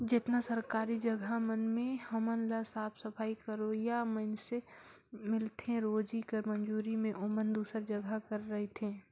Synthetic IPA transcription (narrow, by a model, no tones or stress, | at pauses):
d͡ʒɪt̪nasəɾkaːɾid͡ʒəɡʱamənmẽhɐmənlasaːpʰsəpʰaːikəɾoːjamənse | mɪlt̪ẽɾoːd͡ʒikəɾmə̃nd͡ʒuːɾimẽʔomənd̪uːsəɾd͡ʒəɡʱakəɾːɐɦet̪ʰẽː